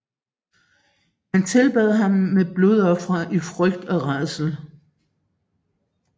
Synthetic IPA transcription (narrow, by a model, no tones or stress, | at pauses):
hænt͡sʰe̝lb̥ɛð̞ˠɦɑ̈mːeb̥lo̝ðˠɒ̽fʁɐʔifʁœɡ̥̚d̥ɒ̽ʁɑðˠsl̩